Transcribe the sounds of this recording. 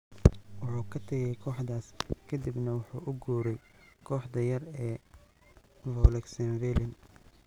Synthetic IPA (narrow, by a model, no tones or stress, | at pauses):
wʊħuːkʰɐt̪ʰɐɣɛjkʰɔːħd̪aːskʰɐd̪ibnɐwʊħuːʔʊɡuːɾɛjkʰɔːħd̪ɐjɐrɛː | vɔlɛksɐnvɛlɪn